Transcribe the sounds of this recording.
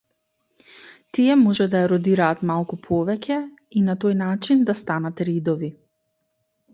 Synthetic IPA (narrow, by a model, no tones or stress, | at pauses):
t̪ijɛmɔʒɛd̪ajaɾɔd̪iɾaːt̪malˠkupʰɔvɛcɛ | inat̪ojnat͡ʃind̪ast̪anat̪ɾid̪ɔvi